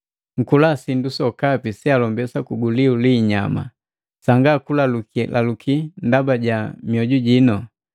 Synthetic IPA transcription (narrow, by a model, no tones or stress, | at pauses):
ŋ̩kulasindusɔkapisialɔmbɛsakuɡuliuliɲama̰ | saŋɡakulaluklʔa̰lukʰindabaɟamjɔɟuɟinɔ